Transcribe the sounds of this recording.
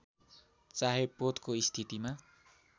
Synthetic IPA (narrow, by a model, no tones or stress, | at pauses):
t͡saɦepot̪koist̪ʰit̪ima